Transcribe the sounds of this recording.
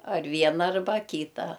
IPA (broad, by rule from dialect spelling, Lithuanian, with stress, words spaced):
ɐr ˈʋʲiɛnɐ ɐrˈbɐ ˈkʲiːtɐ